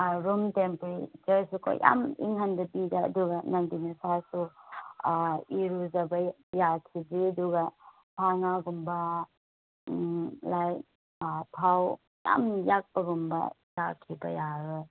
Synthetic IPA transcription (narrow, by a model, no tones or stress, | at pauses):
ɾumtempɾid͡ʒɐɾsukʰo̰jja̰mḭŋɦandɐbida̰ːduɡɐnandinesasu | iɾuzɐbɐ | jakʰibiɐduɡɐ | tʰaŋaɡumbɐ | laj | tʰaw | ja̰mjak̚pɐɡumbɐ̰ | jakʰːibɐ̰jaɾɯ